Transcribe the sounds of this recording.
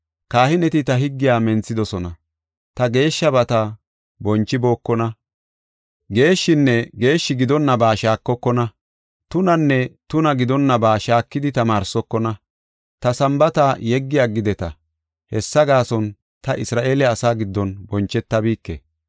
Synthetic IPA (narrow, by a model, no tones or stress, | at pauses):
kaːhɪnɛt̪ɪt̪ɐɦɪɡːɪjaːmɛnt͡sːɪd̪ɔsɔnɐ | t̪ɐɡe̞ːʃːɐbɐt̪ɐ | bɔnt͡ʃːɪbo̞ːkːɔnɐ | ɡe̞ːʃːɪnːɛɡe̞ːʃːɪɡɪd̪ɔnːɐbaːʃaːkːɔkːɔnɐ | t̪ʊnɐnːɛt̪ʊnɐɡɪd̪ɔnːɐbaːʃaːkːɪd̪ɪt̪ɐmaːɾsɔkːɔnɐ | t̪ɐsɐmbɐt̪ajɛɡːɪjaːɡɪd̪ɛt̪ɐ | hɛsːɐɡaːsɔn | t̪ɐʔɪsɾaːʔe̞ːlɛɐsaːɡɪd̪ːɔnbɔnt͡ʃːɛt̪ːɐbiːkːɛ